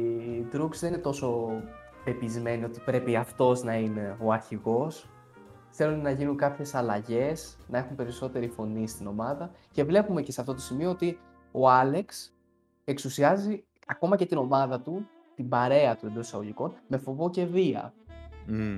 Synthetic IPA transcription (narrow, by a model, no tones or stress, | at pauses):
t̪ɾukzðeninet̪o̞so̞ | pe̞pizme̞nio̞t̪i̥pɾe̞piɐft̪o̞znɐine̞o̞ɐɾçiɣo̞s | θe̞lunnɐʝinuŋkɐpçe̞sɐlɐʝe̞snɐe̞xumpe̞ɾiso̞t̪e̞ɾifo̞nist̪ino̞mɐðɐ | ce̞vle̞pume̞ceseɐft̪o̞t̪o̞simio̞ot̪i | o̞ɐle̞ks | e̞ksusiɐzi | ɐko̞mɐce̞t̪ino̞mɐðɐt̪u | t̪imbɐɾe̞ɐt̪ue̞nd̪o̞sisɐɣo̞ʝiko̞nme̞fo̞vo̞ce̞viɐ̰